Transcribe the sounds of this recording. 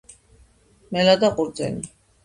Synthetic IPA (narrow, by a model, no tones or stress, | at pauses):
mɛlad̪aqʼuɾd̪zɛ̰ni